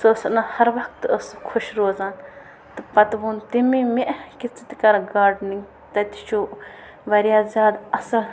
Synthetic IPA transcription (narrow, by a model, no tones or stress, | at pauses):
sosnɐhɐɾʋɐk̚t̪ɐskʰʊʃɾoːzaːn | t̪ɨpɐt̪ʋuːnt̪imimeʔkit͡si̥t̪ikɐɾɡaːɾɖniŋɡ | t̪ɐt̪i̥t͡ʃʰu | ʋɐɾijaːzʲjaːd̪ɐsɐl